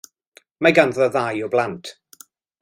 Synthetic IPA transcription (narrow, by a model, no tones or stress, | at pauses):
maɡanðɔðajɔblantʰ